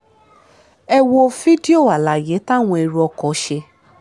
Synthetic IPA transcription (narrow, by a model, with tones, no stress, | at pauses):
ɛ˧wo˧fi˦di˦o˦˨a˨la˨je˨˦ta˦˨w̃ɔ̃˧i˧ɾu˧ɔ˧kɔ˨˦ʃe˧